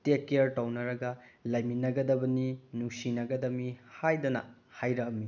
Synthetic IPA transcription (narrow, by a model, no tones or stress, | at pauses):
tekːeɐɾtawnɐɾɐɡɐlɐjminɐɡɐdɐbɐninusinɐɡɐdɐmihajdɐnɐ̰ | hajɾɐkɐmi